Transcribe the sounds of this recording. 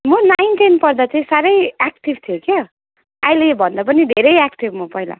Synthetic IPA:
mʌnajnʈinpʌrd̪at͡saĩsaɾʌjakʈibt̪ʰijokʰe | ajlebʱʌnd̪ap̬ʌnid̪ʱeɾʌjakʈibmʌpʌjla̰

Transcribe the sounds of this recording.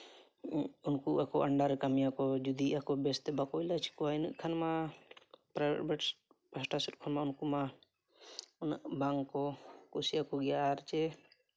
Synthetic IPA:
unkuʔakɔʔɐɳɖaɾkamjakɔd͡ʒud̪iʔakɔbɛst̪ɛbakɔilat͡ʃʰi̥kɔainuʔ̚kʰanma | pɾabɛ̰bɛʈ | pasʈasut̪̚kʰɔnmaunkuma | unaʔbaŋɡkɔkusiakɔɡɛjaɾt͡ʃɛ

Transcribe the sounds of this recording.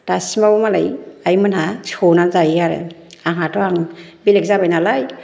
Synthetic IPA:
tasimabɔmala̰jaimanasʰonazajaɾɛ̰aɦatɔaŋbilɛkzabajnalaj

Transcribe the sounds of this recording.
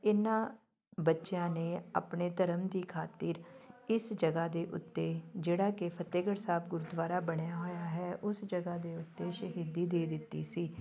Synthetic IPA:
ɪnːãː | bətːʃjãːneːa̰ːpɳeːt̪əɾəmd̪iːkʰaːt̪iːɾɪsd͡ʒəɡaːd̪eːʔʊ̰t̪ːeːd͡ʒeːɽaːkɪpʰət̪eːɡəɽsaːbɡʊɾud̪ʋaːɾaːbəɽ̃jaːɦoːjaːɦɛːʔʊsd͡ʒəɡaːd̪eːʊt̪ːeːʃəɦiːd̪iːd̪eːd̪ɪt̪ːḭːsiː

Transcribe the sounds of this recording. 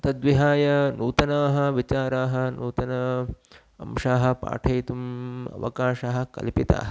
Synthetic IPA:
t̪ɐd̪ʋiɦaːjɐnuːt̪ɐnaːɦɐ̆ʋit͡ʃaːɾaːɦɐ̆nuːt̪ɐnɐ | ɐ̰mʃaːɦɐ̆pa̰ːʈʰɐjt̪umɐ̰ʋɐ̰kaːʃaːɦɐ̆kɐ̰lpit̪a̰ːɦɐ

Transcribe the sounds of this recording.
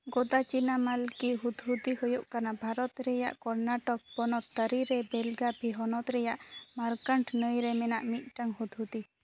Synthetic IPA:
ɡɔd̪at͡ʃinamalkiɦud̪ʱɦud̪ihujoʔkanabʱaɾɔt̪ɾɛja̰ʔkɔɾnaʈɔk̚pɔnɔt̪ːəɾiɾɛbɛlɡabʱiɦɔnɔt̪ɾɛjaʔmaɾkaɳʈnəjɾɛmɛnaʔmit̪̚ˀʈaŋɦud̪ɦud̪i

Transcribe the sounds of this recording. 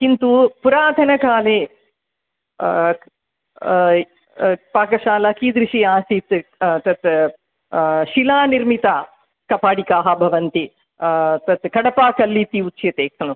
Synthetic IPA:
kint̪upuɾaːd̪ʱɐnɐkaːleː | paːkɐʃaːlɐkiːd̪ɾiʃiaːsit̪t̪ɐt̪ | ʃilaːniɾmit̪aː | kɐpaːɽikaːɦɐbʱɐʋɐnt̪i | t̪ɐt̪kɐɽɐpaːkɐlːit̪iutːʃjɐt̪eːksɐnu

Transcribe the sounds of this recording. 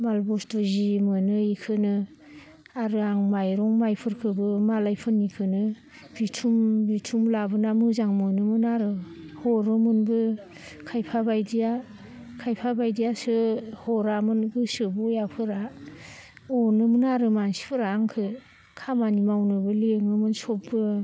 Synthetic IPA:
malbɔstozimɯnɯikʰɯnɯ | aɾɯaŋmajɾɔŋmajpʰɯɾkʰɯbɯmalajpʰɯnːikʰɯnɯ | bitʰumbitʰumlabɯnamɯzaŋmɯnɯmɯnaɾɯ | hɔɾɯmɯnbɯ | kʰajpʰabajdija | kʰajpʰabajdijasɯhɔɾamɯnbɯsɯbujapʰɯɾa | ɔnɯmɯnaɾɯmansi̥pʰɯɾaːŋkʰɯ | kʰamanimawnɯbɯleŋnɯmɯnsɔpbɯ

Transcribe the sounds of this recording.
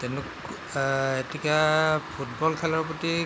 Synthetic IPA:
tɛnʊk | etikapʰut̚bɔlkʰɛlɔɹpɔti

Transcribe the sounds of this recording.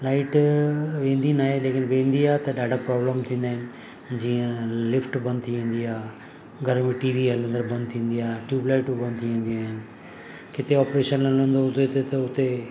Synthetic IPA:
laːɪʈʋẽːnd̪inaːɦeleːkɪnʋẽːnd̪iaːɦt̪ɐɗaːɖapɾɔːbləmt̪ʰĩːnd̪aːɦɪ̃nɪ̆ | d͡ʑiːə̃lɪfʈbɐ̃nd̪̚t̪ʰiʋẽːn̆d̪iaː | ɡʱɐɾmẽʈiːʋiɦɐlə̃nd̪əɾbɐ̃nd̪̚t̪ʰĩːn̆d̪iaːɦʈjuːblaːɪʈubɐ̃nd̪̚t̪ʰiʋẽːn̆d̪iaːɦɪnɪ̆ | kɪt̪eɔːpɾeːʃənlɐ̃lə̃nd̪oɦũot̪et̪ɐʊt̪e

